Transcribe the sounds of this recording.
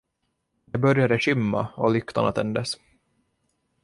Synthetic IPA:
d̪ɛbœɾjad̪əɕʏmːa̰ɔ̰lʏkt̪ʰa̰na̰t̪ʰɛnd̪əs

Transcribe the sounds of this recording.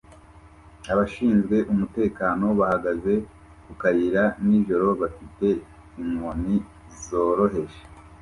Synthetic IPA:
aβaʃiːnzɡwe̞ʔumute̞ːkaːno̞βahaɡaze̞ | kukaɾiɾaniʒo̞ɾo̞βafite̞ | imoni | zo̞ɾo̞ɦe̞ʃe̥

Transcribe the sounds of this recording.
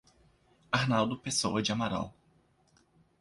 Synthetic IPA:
aɾnawd̪ʊpesowɐd͡ʒɪamaɾa̰w

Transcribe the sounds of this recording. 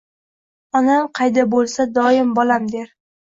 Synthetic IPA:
ɒnamqʰɑjd̪abolˠsad̪ɒɪmbɒlamd̪e̞ɾ

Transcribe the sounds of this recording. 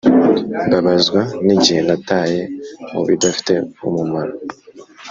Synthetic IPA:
baβazɡwaneɟihenataːjemṵβḭdafi̥teumumaɾa

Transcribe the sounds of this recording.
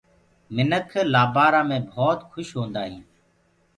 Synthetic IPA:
mɪnəkʰlaːbaːɾãːmẽːbʱɔːt̪kʰʊʃɦõːnd̪aːɦĩː

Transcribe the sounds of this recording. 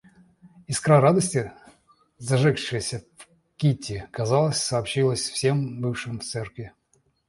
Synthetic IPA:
ɪskɾaɾad̪əsʲtʲɪ | zɐʐɛkʂɨjəsʲəf | kʲitʲːɪkɐzalˠəsʲsɐːpɕilˠəsʲfsʲe̞mbɨfʂɨmft̪sɛrkvʲɪ

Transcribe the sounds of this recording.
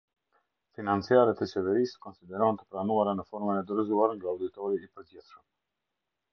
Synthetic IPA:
finant͡siaɾɛt̪ət͡ʃɛvɛɾiskɔnsid̪ɛɾɔnt̪ə̥pɾanuaɾanəfɔɾmɛnɛd̪ɾəzuaɾŋɡaawd̪it̪ɔɾiːpəɾdɛt̪ʃəm

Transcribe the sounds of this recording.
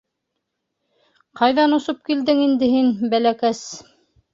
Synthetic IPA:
qɑjðɑnŏsop̚kild̪ɘŋind̪ɘɦinbælækæs

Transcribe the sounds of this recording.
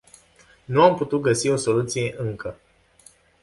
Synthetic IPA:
nuamput̪ut̪̚ɡəsio̞so̞lut̪sije̞ʔɨŋkə

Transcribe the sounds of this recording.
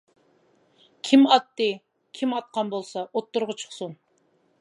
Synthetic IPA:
kʲʰimɑt̪ːɨ | kʲʰimɑt̪̚qʰɑnbolˠsɑʔot̪ːʊɾʁət͡ʃʰə̥χsun

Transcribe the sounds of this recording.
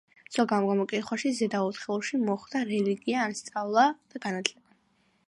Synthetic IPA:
z̥ɔɡamɡamɔkʼit̪χwaʃizɛd̪aut̪ʰχɛlˠʃimɔχd̪aɾɛliɡiaːnst̪sʼavlˠad̪̥aɡanat̪ʰlɛb̥a

